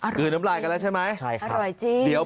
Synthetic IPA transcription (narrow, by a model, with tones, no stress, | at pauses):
ʔɯː˨˩na˦˥mlaː˧˩jka˧lɛ˦˥t͡ɕʰa˥˩jma˦˥jt͡ɕʰa˥˩jka˧ɾɔ˨˩jt͡ɕiː˧d̪i˩˦əw